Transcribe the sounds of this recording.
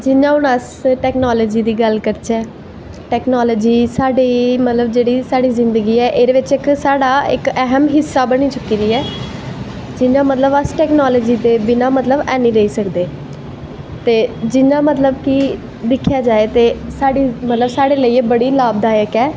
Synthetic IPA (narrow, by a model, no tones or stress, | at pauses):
d͡ʒɪnãːʊnəs | ʈɛːknaːləːd͡ʒiːd̪iːɡəlkəɾt͡ʃʰɛː | ʈɛːknaːləːd͡ʒiːsaːɖiːmət̪ləbd͡ʒeːɽiːsaːɽiːzɪnd̪əɡiːɛːʔeːɾeːʋɪt͡ʃɪksaːɖaːɪkɛɦəmɦɪsːaːbəɽ̃iːt͡ʃʊkiːɾiːɛː | d͡ʒɪnãːmət̪ləbəsʈɛːknaːləːd͡ʒiːd̪eːbɪnãːmət̪ləbɛːniːɾəiːsəkd̪eː | t̪eːd͡ʒɪnaːmət̪ləbkɪ | d̪ɪkʰːjaːd͡ʒaːeːt̪eːsaːɖiːmət̪ləbsaːɽeːləiːbəɽiːlaːb̚d̪aːjəkɛː